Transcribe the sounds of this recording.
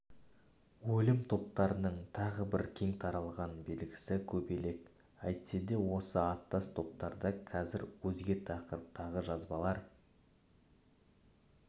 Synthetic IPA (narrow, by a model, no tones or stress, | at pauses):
wɵlɪmt̪ʰo̞p̚t̪ɑɾənəɴt̪ʰɑʁəbɪɾkʲʰe̞ŋt̪ʰɑɾɑlˠʁɑnbe̞lɡʲɪ̥sɪkʲʰɵbe̞le̞k | ɑjt̪se̞d̪e̞wo̞səɑt̪ːɑst̪ʰo̞p̚t̪ɑɾd̪ɑqʰɑzɪɾwɵzɡʲe̞t̪ʰɑqəɾəp̚t̪ʰɑʁəʒɑzbɑlˠɑɾ